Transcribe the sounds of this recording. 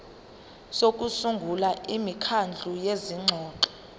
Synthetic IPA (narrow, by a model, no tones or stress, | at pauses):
sok̬ʼusuŋɡʱulaʔimikʰand͡ɮʱujeziŋ͡ǁʱɔːǃɔ̥